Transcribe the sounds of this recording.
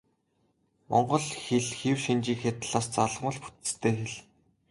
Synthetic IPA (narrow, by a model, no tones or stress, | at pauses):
mɔ̰ɴɢɞ̆ɮxeɮxiwʃint͡ɕiːkxet̪ɮaːst͡saɮʁmə̆ɮpu̥t̪̆st̪ʰeːxeɮ